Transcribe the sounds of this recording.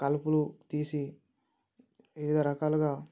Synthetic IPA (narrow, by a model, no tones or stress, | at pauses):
kɐlupulut̪iːsi | ʋiʋid̪ɐɾɐkaːluɡaː